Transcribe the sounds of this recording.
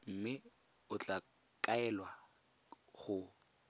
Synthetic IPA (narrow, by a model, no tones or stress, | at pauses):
m̩mɪ | ʊt͡ɬʼa | kʼaɛlwa | χʊ